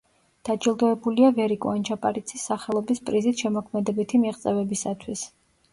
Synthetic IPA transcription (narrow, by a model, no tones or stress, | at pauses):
d̪̥ad͡ʒilˠd̪ɔɛbuliavɛɾikʼuant͡ʃʰapʼaɾit̪sʰisːaχɛlˠɔbispʼɾizit̪ʃɛmɔkʰmɛd̪ɛbit̪ʰimiʁt̪sʼɛvɛbisat̪ʰwis